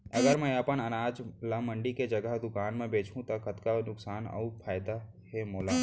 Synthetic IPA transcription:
ɐɡəɾmɛ̃ɐpənɐnaːd͡ʒlamə̃ɳɖiked͡ʒɐɡəɦd̪ʊkaːnmẽbeːt͡ʃʰũt̪ɐkɐt̪kanʊksaːnɐ̰upʰaːjd̪a | ɦemoːlaː

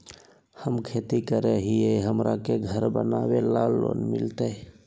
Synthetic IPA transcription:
həmkʰet̪ikəɾeɦieɦəmɾʔakeɡʱəɾbə̰nawelalːo̰nmḭlt̪ə

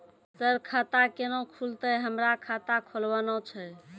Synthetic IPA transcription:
səɾkʰat̪akenokʰult̪əɦəmɾakʰat̪akʰolbənɔt͡ʃʰɛ

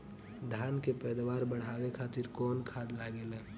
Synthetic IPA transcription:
d̪ʱaːnkepɛːd̪waːɾbəɽ̤aːwekʰaːt̪ɪɾkɔːnkʰaːd̪laːɡelɛː

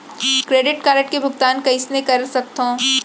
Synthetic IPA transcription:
kɾeːɖɪʈkaːɾəʈ̚kebʱʊkt̪aːnkɐɪsnekɐɾsɐk̚t̪ɦõː

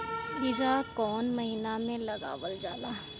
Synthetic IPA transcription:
biɾakɔːnmɐɦiːnamẽlɐɡa̰ːʋəld͡ʒaːlaː

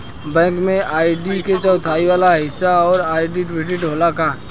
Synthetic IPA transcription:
bɛ̃ːŋkmẽʔaːiɖiket͡ʃəwt̪ʰaːiʋaːlaɦɪsːaɔːɾaːiɖiʈweːʈɪʈɦoːlakaː

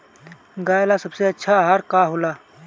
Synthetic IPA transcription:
ɡaːjlasəbseɐtːʃʰaɦaːɾkaɦolaː

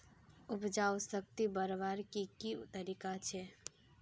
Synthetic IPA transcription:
upd͡ʒawsək̚t̪ibəɾbaɾkikit̪əɾikat͡ʃʰɛ

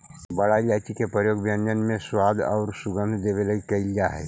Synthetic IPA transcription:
bəɽaid͡ʒat͡ʃikepɾəjoːɡbjənd͡ʒənmẽswaːd̪ɔ̰ʊɾsuɡə̃nd̪ʱd̪ebeləɡikɐɪld͡ʒaɦɛ̰ː

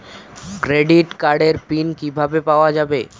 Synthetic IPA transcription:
kɾeɖiʈkaɾɖeɾpinkibʱabepaoad͡ʑabe

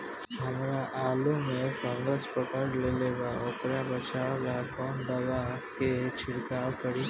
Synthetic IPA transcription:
ɦɐmɾaʔaːlumẽfʰə̃ŋɡəspəkəɽleleːɡaʊt̪ɾabət͡ʃaːwɾakɔːnd̪ɐʋaket͡ʃʰɪɽkaːwkəɽi

